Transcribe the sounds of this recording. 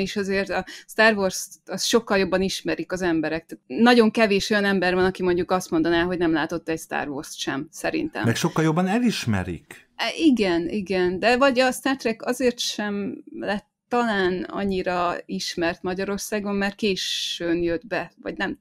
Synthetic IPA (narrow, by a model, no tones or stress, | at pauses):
iʃɒzeːrt̪ɒst̪aːrvorsɒsʃo̞kːɒljo̞bːɒniʃmɛɾikɒzɛmbɛɾɛk̚t̪anɒɟo̞ŋkɛveːʃo̞jɒnɛmbɛrvɒnɒkimo̞ɲɟukɒst̪mo̞nd̪ɒnaːɦo̞ɟnɛmlaːt̪o̞t̪ːɛcst̪a̰ːrvo̰rsʃɛ̰msɛɾḭnt̪ɛ̰mɛkʃo̞kːɒljo̞bːɒnɛliʃmɛ̰ɾḭk | iɡɛniɡɛnd̪ɛvɒɟɒst̪aːrt̪rɛkɒzeːrt̪ʃɛmlɛt̪ːɒlaːnɒ̰ɲːiɾɒiʃmɛrt̪mɒɟɒɾo̞rsaːɡo̞mːaːrt̪̚keːʃønjød̪bɛvɒ̰ɟnɛm